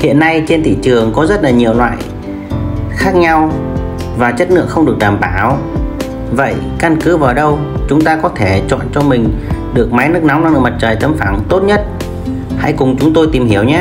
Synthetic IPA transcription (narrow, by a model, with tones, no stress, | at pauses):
hḭ˧˨ənːa˧jt͡ɕe˧nt̪ʰḭ˧˨t͡ɕɨ˨˩əŋkɔ˨˦zə˦˥t̚laː˨˩ɲi˨˩əwlwa̰ː˧˨j | xaː˦˥k̚ɲa˧w | vaː˨˩t͡ɕə˦˥t̚nɨ̰˧˥əkxə˧wŋ͡mɗɨ˨˩ək̚t̪aː˨˩mɓaː˧˩w | və̰˧˨j | ka˧nkɨ˨˦vaː˨˩wɗə˧w | t͡ɕʊ˨˦ŋ͡mt̪aː˧kɔ˨˦t̪ʰe˧˩t͡ɕɔ̰˧˨nt͡ɕɔ˧mï˨˩ŋ̟ɗɨ˨˩ək̚ma˨˦jnɨ˦˥ək̚na˨˦wna˧ŋnɨː˧˩m˨˩t̚t͡ɕəː˨˩jt̪ə˨˦mfaː˧˩ŋt̪o˦˥t̚ɲə˦˥t̚ | ha̰˧˥jkʊ˨˩ŋ͡mt͡ɕʊ˨˦ŋ͡mt̪o˧jt̪i˨˩mhi˧˩əwɲaː˨˦